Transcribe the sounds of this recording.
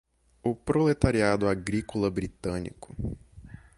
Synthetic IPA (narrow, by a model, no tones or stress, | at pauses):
ʊpɾolet̪aɾiad̪ʊaɡɾikolɐbɾit̪ɐ̃nḭkʊ̥